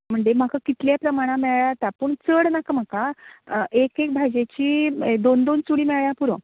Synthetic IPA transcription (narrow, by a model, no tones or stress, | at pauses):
m̤əɳd͡zem̤akakit̪ljapɾəmaɽ̃ãmeɭjat̪apəɳt͡səɽnakam̤aka | ekek̚bʱad͡ʑet͡ɕiːd̪ond̪onsuɽiːmeɭjapuɾõ